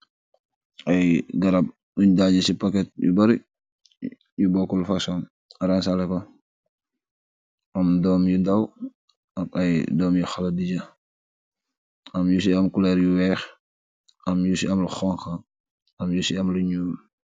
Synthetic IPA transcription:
ʔɐjɡɐɾɐb̚ | uɲdaːɟɐsipɐkɛt̚jṵbɐɾi | jubɔkːulfɐsɔn | ɐɾɐnsalɛkɔ | ɐmdɔːmjundɐw | ɐɐjdɔːmjuxɐlɐdiɟɐ | ɐmjus̬iɐmkulɛɾjuwɛːx | ɐmjusiɐmlɐxɔŋxɐ | ɐmjusiɐmluɲuːm

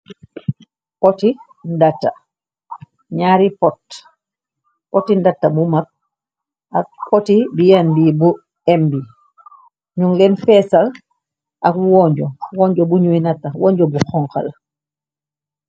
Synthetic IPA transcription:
kɔti | ndatːa̰ | ɲaːɾipɔt | kɔtːindatːabumak̚ | ʔak̚pɔtibijanbibu | ɛmbi | ɲuŋlɛnfɛːsal | ʔakwɔɲd͡ʒɔwɔɲd͡ʒɔbuɲujnatːawɔɲɟɔbuxɔŋka̰l

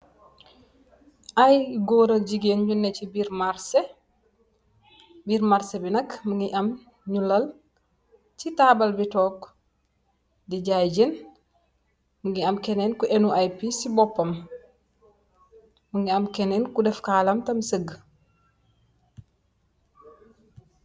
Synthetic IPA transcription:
ʔajɡɔːɾɐlɟiɡeːnɲunːɛcibiɾmaɾse | biːɾmɐɾsɛbinɐkmuŋɡiʔɐm | ɲulːɐl | t͡ʃitaːbɐlbitɔːk | diɟajɟin | muŋɡiɐmkɛnɛːnkuʔenuʔajpisibɔpːɐm | muŋɡiɐmkɛnɛːnkudɛfkaːlɐmtɐmsəɡ

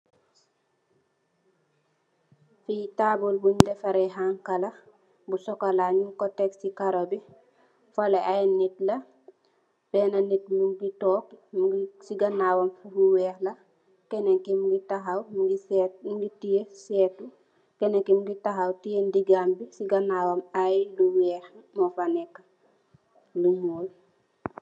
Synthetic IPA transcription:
fitaːbulbuɲdɛfɐɾɛɦaŋkɐlɐ | busɔkalaɲukɔtɛksikaɾobi | folɛʔajnit̚lɐ | b̥ɛːnɐnit̚muŋɡitɔːk̚ | siɡɐnawɐmluwɛːxlɐ | kɛneŋkimɡitɐɦawɡiɡitijesɛːtu | kɛneŋkimɡitaɦawtijendiɡambisiɡɐnawɐmajluwɛːxmɔfanɛkːɐ̥ | lumuːl

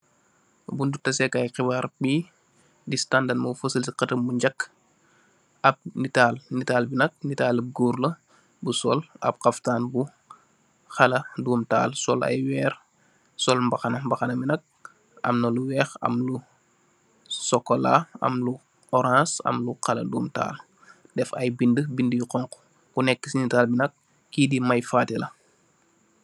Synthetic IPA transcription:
bundutɐsɛkajqibaːɾbi | distandɐnmɐfəsəlsiqɐtəmbuɲɟɐkː | ɐb̚nitaːlnitaːlbinɐk̚nitaːlɐb̚ɡuɾlɐ | busɔlɐ̰p̚qaftaːnbu | xɐlɐdumta̰ːlsɔlɐ̰jwɛːɾ | sɔlmbɐxɐnɐmbɐxɐnɐminɐk̚ | ɐ̰mnɐluwɛːxɐ̰mlu | sɔkːɔla̰ɐ̰mlu | ɔɾãːsɐ̰mluqɐlɐ̰duːmta̰ːl | dɛfɐjbindəbindəjuqɔŋko̥ | kunɛkːəsinitaːlbinɐk̚ː | idimɐjfaːtɛlɐ

